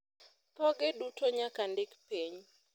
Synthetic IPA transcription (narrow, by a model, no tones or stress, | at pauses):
pɔɡɪdutoɲakandɪkpiɲ